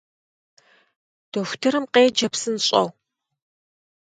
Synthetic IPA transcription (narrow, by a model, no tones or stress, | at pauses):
d̥oxʷtʰɨɾɨmqeːd͡ʒɐpsɨnɕʼɐ̰w